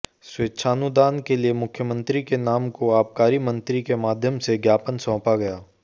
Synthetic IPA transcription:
sweːtːʃʰaːnud̪aːnkeliemʊkʰjəmə̃nt̪ɾikenaːmkoaːp̚kaːɾimə̃nt̪ɾikemaːd̪ʱjəmseɡjaːpənsɔ̃ːpaɡɐjaː

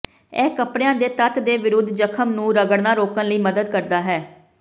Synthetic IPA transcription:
ɛːkəpɽeãːd̪eːt̪ət̪d̪eːʋɪɾʊd̪ʱd͡ʒəkʰəmnũːɾəɡəɽnãːɾoːkə̃nləiːməd̪əd̪kəɾd̪aːɦɛː

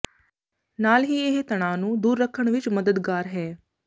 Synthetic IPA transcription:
naːlɦiːeɦt̪əɽ̃aːnũːd̪uːɾːəkʰːəɳ̃ʋɪt͡ʃməd̪əd̪ɡaːɾɦɛː

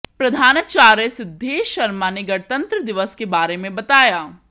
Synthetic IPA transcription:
pɾɐd̪ʱaːnat͡ʃaːɾəsɪd̪ʱːeːʃɐɾmaneɡɐɽt̪ɐ̃nt̪ɾəd̪ɪʋəskebaːɾemẽbɐt̪aːjaː

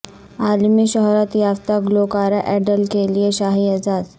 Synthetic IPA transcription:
aːlmiʃɔɦɾət̪jaːʋt̪aɡlokaːɾaʔɛɖəlkelieʃaːɦiɐzaːd̪

